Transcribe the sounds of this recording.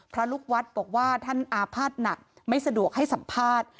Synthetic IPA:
pʰɾa˦˥luː˦˥˩k̚wa˦˥t̪̚bɔː˨˩k̚waː˥˩t̪ʰa˥˩nʔaː˧pʰaː˥˩t̪̚na˨˩k̚ | ma˥˩jsa˧du˨˩ək̚ha˥˩jsa˩˦mpʰaː˥˩t̪̚

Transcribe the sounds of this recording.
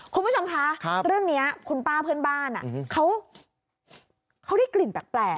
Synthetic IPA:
kʰu˧npʰu˦˥˩o˧mkʰa˦˥kʰɾɯ˥˩əŋni˦˥ɐkʰu˧npaː˥˩pʰɯ˥˩ənbaː˥˩na̰˨˩˦kʰa˦˥w | kʰa˦˥wɾa˥˩jkli˨˩npɛː˨˩k̚plɛː˨˩

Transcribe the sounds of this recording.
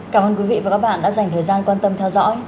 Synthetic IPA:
kaː˧˩mʔəː˧nkwi˨˦vḭ˧˨vaː˨˩kaː˦˥k̚ɓa̰ː˧˨nɗa̰ː˧˥za˨˩jŋt̪əː˨˩jzaː˧nkwaː˧nt̪ə˧mt̪ʰɛ˧wzɔ̰˧˥j

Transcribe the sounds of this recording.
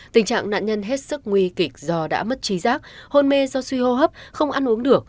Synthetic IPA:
t̪ï˨˩ŋ̟t͡ɕa̰ː˧˨ŋna̰ː˧˨ɲə˧nɦe˦˥t̚sɨ˦˥k̚ŋwi˧ki˨˩k̚zɔ˧ɗa̰ː˧˥mə˦˥t̚t͡ɕi˨˦zaː˦˥k̚ho˧nme˧zɔ˧swi˧ho˧ɦəː˦˥p̚xə˧wŋ͡mʔa˧nʔu˨˦əŋɗɨ˨˩ək̚

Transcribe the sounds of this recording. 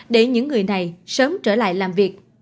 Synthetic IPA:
ɗe˧˩ɲɨ̰˧˥ŋːɨ˨˩əjna˨˩jsəː˨˦mt͡ɕəː˧˩la̰ː˧˨jlaː˨˩mvi˨˩ək̚

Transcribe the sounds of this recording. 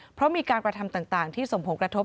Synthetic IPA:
pʰɾɔ˦˥miː˧kaː˧nkɾa˧t̪ʰa˧mt̪aː˨˩ŋt̪aː˨˩ŋt̪ʰiː˥˩so˨˩ŋpʰo˩˦nkɾa˧t̪ʰo˦˥p̚

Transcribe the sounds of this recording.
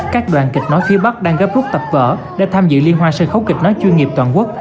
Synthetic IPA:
kaː˦˥k̚ɗwaː˨˩nki˨˩k̟̚nɔ˨˦jfi˨˦əɓa˦˥k̚ɗaː˧ŋɣəː˦˥p̚zʊ˦˥k̚t̪ə˨˩p̚və̰ː˧˨ | ɗe˧˩t̪ʰaː˧mzɨ̰˧˨li˧ənɦwaː˧sɨ̰˧˨xə˨˦wkï˨˩k̟̚nɔ˨˦jt͡ɕwi˧nŋi˨˩əpt̪waː˨˩nku˦˥ək̚

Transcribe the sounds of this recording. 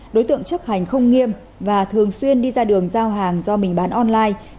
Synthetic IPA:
ɗo˨˦jt̪ɨ̰˧˨əŋt͡ɕə˦˥t̚ha˨˩jŋ̟xə˧wŋ͡mŋi˧əm | vaː˨˩t̪ʰɨ˨˩əŋswi˧ənɗi˧zaː˧ɗɨ˨˩əŋzaː˧wɦaː˨˩ŋzɔ˧mï˨˩ŋ̟ɓaː˨˦nʔɔ˧nlaː˧j

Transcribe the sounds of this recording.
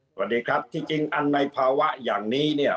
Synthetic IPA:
saa˧wa˨˩t̚diː˧kʰɾa˦˥p̚t̪ʰiː˥˩t͡ɕi˧ŋʔa˧nːa˧jpʰaː˧wa˦˥ʔjaː˨˩ŋniː˦˥ni˥˩ɐ

